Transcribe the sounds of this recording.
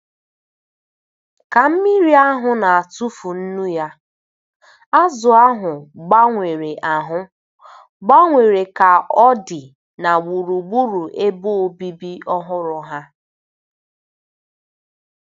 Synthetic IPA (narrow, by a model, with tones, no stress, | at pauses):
ka˨m̩˦mi˦ɾi˦a˦ɦʊ˨na˨a˨tu˦fu˨n̩˦nu˦ja˦ | a˦zʊ˨a˦ɦʊ˨ɡ͡ba˦ŋʷe˨ɾe˨ʔa˨ɦʊ˦ | ɡ͡ba˦ŋʷe˨ɾe˨ka˨ɔ˦dɪ˨ | na˨wu˨ɾu˨ɡ͡bu˦ɾu˨ʔe˦bo˦o˨bi˦bi˦ɔ˦ɦʊ˦ɾʊ˨ɦa˦